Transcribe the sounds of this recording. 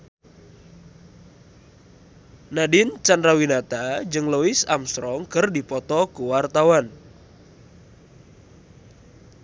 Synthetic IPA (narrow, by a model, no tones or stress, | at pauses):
nadɪnt͡ʃandɾawinat̪ad͡ʒɨŋloɪsa̰mst̪ɾɔŋkərdipɔt̪ɔkuwart̪awan